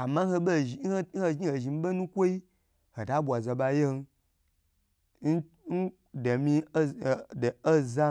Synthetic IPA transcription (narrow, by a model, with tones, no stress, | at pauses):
a˨ma˦ho˧be˦˨˦hhe˦ʒɲi˦he˨ʒi˨m̩˦be˦nũ˦kʷo˦i˦ | ho˨da˦bʷa˨za˧ba˧je˦n˧˦ | n˦ | n̩˦ | de˨mi˧˦˨do˦za˦